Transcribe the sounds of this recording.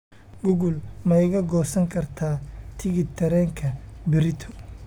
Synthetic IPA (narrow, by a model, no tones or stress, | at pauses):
ɡʊɣʊlmɛjɣɐɡɔːsɐŋkʰɐrt̪ʰaːt̪ʰɪɣɪt̪ʰɐɾɛːŋkʰɐbɪɾɪt̪ʰɔ̥